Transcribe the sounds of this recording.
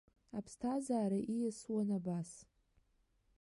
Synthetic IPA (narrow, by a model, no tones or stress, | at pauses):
apʰstʰazaːɾaʔijaswanabas